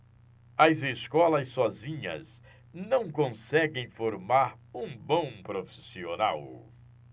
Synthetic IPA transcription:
ɐzeskɔlɐsːɔzĩɲɐ̰z | nɐ̃w̃kõsɛɡẽj̃foɾmaɾ | ũbõw̃pɾofi̥siona̰w

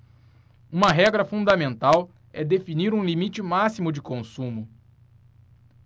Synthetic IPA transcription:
ũmɐɦɛɡɾɐfũd̪ɐmẽnt̪aw | ɛd̪efiniɾũlimit͡ʃɪmasimʊd͡ʒɪkõsũmʊ

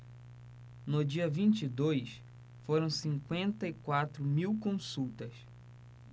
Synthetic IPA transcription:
nʊd͡ʒiɐvĩnt͡ʃid̪ojs | foɾɐ̃w̃sĩŋkwẽnt̪ɐikwat̪ɾʊmiwkõsuwt̪ɐs

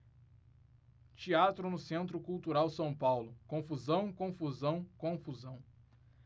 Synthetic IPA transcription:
t͡ʃiat̪ɾʊnʊsẽnt̪ɾʊkuwt̪uɾawsɐ̃w̃pawlʊkõfuzɐ̃w̃kõfuzɐ̃w̃kõfuzɐ̃w̃

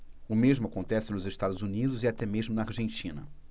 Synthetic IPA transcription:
ʊmeʒmʊakõnt̪ɛsɪnʊzɪʃt̪ad̪ʊzunid̪ʊziat̪ɛmeʒmʊnɐaɾʒẽnt͡ʃĩnɐ̰

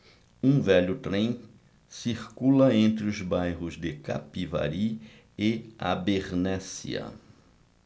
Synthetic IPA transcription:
ũvɛʎʊt̪ɾẽj̃ | siɾkulɐẽnt̪ɾɪʊzbajɦʊzd̪ɪka̰piva̰ɾi | ɪa̰beɾnɛsḭɐ̰

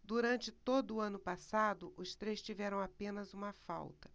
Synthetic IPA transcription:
d̪uɾɐ̃nt͡ʃɪt̪od̪ʊːɐ̃nʊpasad̪ʊʔʊst̪ɾejst͡ʃivɛɾɐ̃w̃apẽnɐzũmɐfa̰wt̪ɐ̥

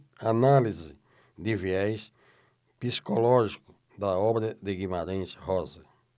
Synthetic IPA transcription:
analizɪ | d̪ɪviɛjs | pisi̥kolɔʒikʊ | d̪ɐɔbɾɐd̪ɪɡimaɾẽj̃shɔzɐ

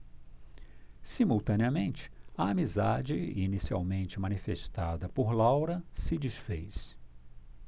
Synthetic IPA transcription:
simuwt̪ɐ̃niɐmẽnt͡ʃɪ̥ɐamizad͡ʒɪinisia̰wmẽnt͡ʃɪmɐ̃nifeʃt̪ad̪ɐpoɾlawɾɐsɪd͡ʒisfejs

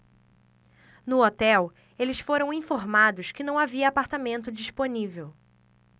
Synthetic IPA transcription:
nʊot̪ɛw | elɪsfoɾɐ̃w̃ĩfoɾmad̪ʊskɪnɐ̃w̃aviɐːpaɾt̪amẽnt̪ʊd͡ʒisponivew

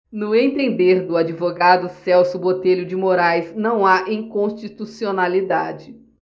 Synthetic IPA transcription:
nʊẽnt̪ẽnd̪eɾd̪ʊad͡ʒivoɡad̪ʊsɛwsʊbot̪eʎʊd͡ʒɪmoɾajznɐ̃w̃aʔĩŋkõst͡ʃit̪usionalid̪a̰d͡ʒɪ

